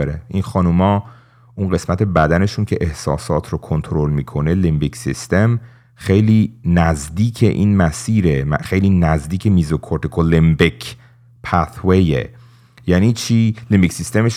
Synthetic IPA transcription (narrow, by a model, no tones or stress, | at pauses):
eɾeinxɒnumɒː | ʔuːnɢe̞smæt̪ʰe̞bæd̪æne̞ʃuncʰe̞ʔehsɒ̰ːsɒːt̪ʰɾokʰont̪ʰoɾolmiːkʰo̞nelimbiksist̪e̞m | xe̞jliːnæzd̪iːcʰḛʔiːnmæsiːɾemxejliːnæzd̪iːcʰemiːzokʰoɾt̪ʰekʰolimbekʰ | pʰæt̪wejḛ | jæniːt͡ʃʰiːlimbicʲsist̪emeʃ